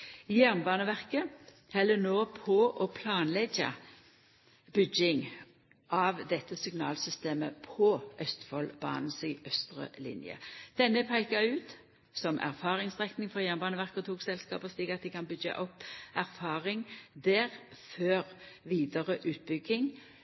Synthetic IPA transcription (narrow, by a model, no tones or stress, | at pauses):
jæʁnbɑːnəʋæʁkə | hɛlːənoːpʰɔʔɔpʰlɑːnlɛɡɑ̰ | b̥ʏɡɪŋ | ʔɑʋd̪ɛt̪ːəsʏŋnɑ̰ːlsʏst̪eːməpʰɔʔœst̪fɔlbɑ̰ːnn̩sɪʔœst̪ʁə̰lɪ̰njə̰d̪̥ɛnːəpʰæɪkɑʉːt̪ | sɔmʔæ̰ʁfɑːʁɪŋsʁɛknɪŋfɔʁjæʁnbɑːnəʋæʁkəɔt̪ʰuːksɛlskɑ̰ːpəɔst̪iːkɑt̪̚d̪ɪkɑnbʏɡɑ̰ʔɔpːæʁfɑːʁɪŋd̪æːʁføːʁʋiːd̪əʁəʔʉːt̪̚bʏɡɪŋ